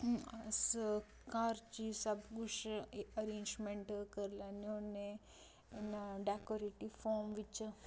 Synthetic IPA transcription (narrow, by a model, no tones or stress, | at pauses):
as | kaːɾt͡ʃisɐbɡuʃɐɾẽːnd͡ʒmẽɳʈkɐɾlanone | nɖaːkoɾiʈifʰoːmʋit͡ʃ